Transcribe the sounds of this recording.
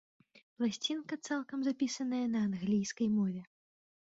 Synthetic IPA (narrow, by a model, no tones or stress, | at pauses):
plˠasʲt͡sʲinkɐt̪salˠkɐmzapʲisɐnɐjɐnɐːnɣlʲijskɐjmɔvʲɛ